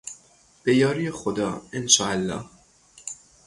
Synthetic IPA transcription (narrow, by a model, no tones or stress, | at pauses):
b̥ejɒːɾiːjexod̪ɒ̰ːenʃɒːʔælːɒ̰ːh